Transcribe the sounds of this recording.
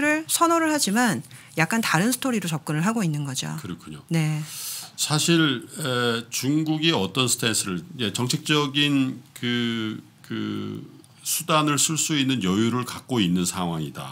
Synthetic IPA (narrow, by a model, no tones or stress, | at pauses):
ɾɯɭsʰʌnoɾɯɭɦad͡ʑiman | jak͈̚antaɾɯnsʰɯ̥tʰoɾiɾot͡ɕʌp̚k͈ɯnɯɭɦaɡoinːɯnɡʌd͡ʑo̰kɯɾʌkʰuɲone̞ | sʰaɕʰiɭet͡ɕuŋɡuɡiʌt͈ʌnsʰɯ̥tʰensʰɯɾɯɭet͡ɕʌŋt͡ɕʰek̚t͡ɕ͈ʌɡinkɯ | kɯ̰ | sʰudanɯɭsʰɯɭs͈uinːɯnjʌjuɾɯɭkak̚k͈oinːɯnsʰaŋwaŋida̰